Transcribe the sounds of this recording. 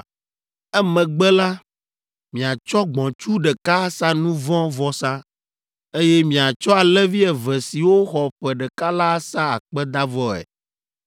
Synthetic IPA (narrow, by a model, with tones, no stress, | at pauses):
ɛ˦mɛ̃˨ɡ͡bɛ˦la˦ | mĩ˨a˨t͡ʃɔ˦ɡ͡bɔ̃˨t͡ʃu˦ɖɛ˨ka˦sa˦nũ˦vɔ̃˦vɔ˦sã˦ | e˦jɛ˦mĩ˨a˨t͡ʃɔ˦a˨lɛ˦vi˦ɛ˨vɛ˨si˨wo˦xɔ˨ɸɛ˨ɖɛ˨ka˦la˦sa˦a˨k͡pɛ˦d̪a˦vɔ˦ɛ̰˨